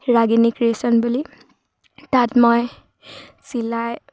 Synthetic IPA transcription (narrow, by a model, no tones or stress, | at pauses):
ɹaɡinikɹiesɔnbuli | tatmɔj | silaj